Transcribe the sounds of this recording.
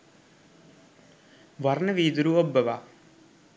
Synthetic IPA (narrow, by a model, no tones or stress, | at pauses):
ʋɐɾɳɐʋiːd̪uɾuɔbːɐʋaː